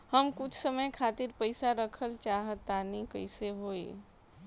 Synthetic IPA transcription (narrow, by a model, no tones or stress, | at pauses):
hɐmkʊt͡ʃʰsəməjkʰaːt̪ɪɾpəɪsaɾəkʰəlt͡ʃaːɦət̪ːaːnikəɪseɦoːḭː